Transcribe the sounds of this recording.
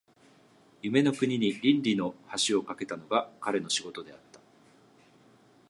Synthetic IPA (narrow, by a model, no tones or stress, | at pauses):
jɯ̟me̞no̞kɯ̟ɲ̟iɲ̟iɾʲĩnɾʲino̞haɕio̞kake̞t̪ano̞ɡakaɾe̞no̞ɕiɡo̞t̪o̞d̪e̞at̪ːḁ